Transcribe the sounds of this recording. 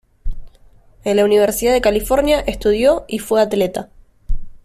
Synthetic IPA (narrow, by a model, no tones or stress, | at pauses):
enlauniβ̞eɾsiðaðe̞kalifo̞ɾnjaʔe̞st̪uð̞jo̞ifweat̪let̪a